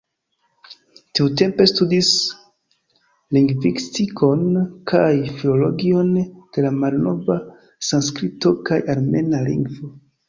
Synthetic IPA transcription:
tiut̬e̞mpe̞studis | liŋɡvistikʰonkʰajfilo̞lo̞ɡio̞nd̥e̞lamalno̞va | sanskɾito̞kajaɾme̞nalḭŋɡvo̞

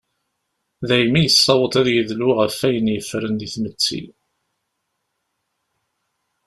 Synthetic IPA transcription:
ðæjmijəsˤːɑwət̪ˤæðjəðluʁəfːæjənjəfɾənðiθmət͡sːḭ

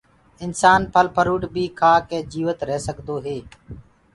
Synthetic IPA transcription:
ɪnsaːnpʰəlpʰəɾuːɖbiːkʰaːkẽːd͡ʒiːʋət̪ɾɛɦːsəɠd̪oːɦeː

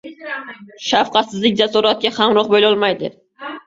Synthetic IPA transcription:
ʃafqɑt̪sɪzlɪk̚ʲd͡ʒasɔɾat̪̚ɡʲahamɾɒq̚bojlɒlˠmajd̪ɪ̰

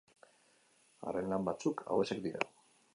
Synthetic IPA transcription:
a̰renlambat͡sukʰa̰we̞sekd̪iɾa̰

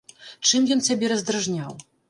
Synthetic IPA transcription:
t͡ʂɨmjɔnsʲabʲɛɾɐzd̪ɾaʐnʲaw

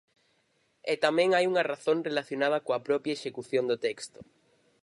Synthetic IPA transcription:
ɛt̪amɛ̃ŋajuŋɐraθõŋrelaθjonað̞ɐkoɐpɾɔpɾjɐeʃekuθjond̪ʊt̪ɛkst̪ʊ̥

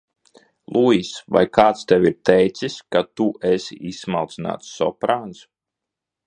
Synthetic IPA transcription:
lˠuːiːsva̰jkaːt̪st̪ɛwiɾt̪ɛjt̪siskat̪uɛsḭismalˠt̪sina̰ːt̪ssɔpɾaːns

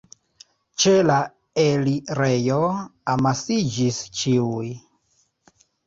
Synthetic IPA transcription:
t͡ʃela | eliɾejoamasid͡ʒist͡ʃiuj

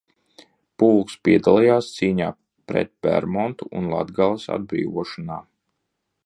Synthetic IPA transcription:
pulˠkspiɛd̪alˠɛjaːst̪siːɲa̰ː | pɾɛ̰t̪̚pɛ̰ɾmɔnt̪uʔunlˠa̰d̪ɡalˠasa̰d̪̚bɾḭːʋuɔʃɔnaː

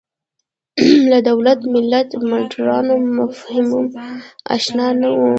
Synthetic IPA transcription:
lad̪awlat̪mɪlːat̪maʈɾɑnomʊfhɪmʊma̰ʃnɑnawu

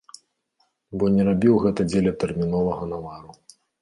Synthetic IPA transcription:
bɔnʲɛɾabʲiwɣɛt̪ɐd͡zʲelʲɐt̪ɛrmʲinɔlˠɐɣɐnamaɾu

